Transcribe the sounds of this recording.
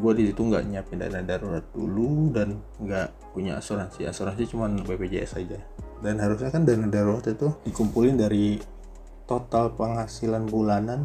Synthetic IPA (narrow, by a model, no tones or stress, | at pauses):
ɡuadisit̪uŋɡa̰ʔɲapɪnda̰nadaɾuɾat̪̚dṵludan | ŋɡaʔ | puɲa̰a̰suɾansia̰suɾansit͡ʃumanbebed͡ʒaa̰sad͡ʒadanɦaɾus̬ɲakandanadaɾuɾat̪it̪udikumpulɪndaɾi | t̪ot̪alpəŋhasilanbulanan